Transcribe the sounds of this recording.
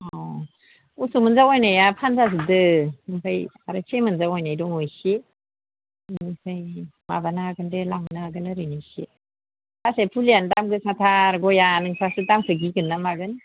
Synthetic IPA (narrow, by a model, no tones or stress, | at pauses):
ɔ | usumɯnzawɔjnajapʰanzazɯdɯmɯŋpʰajaɾɯsʰemɯnzawɔjnajdɔŋɯjse | nipʰajmabanaɡɯndelaŋnaɡɯnɯɾɯnisḛ | pʰasapʰuliandamɡɯsatʰaɾɡɔjanɯŋpʰasɯdamkʰɯɡiɡɯnːamaɡɯn